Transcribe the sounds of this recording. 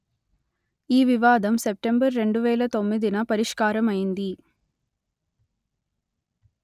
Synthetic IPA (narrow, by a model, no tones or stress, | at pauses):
iːʋiʋaːd̪ɐmsep̚ʈe̞mbɐɾːe̞ɳɖuʋɛːlɐt̪o̞mːid̪inɐpɐɾiʂkaːɾɐmɐjind̪i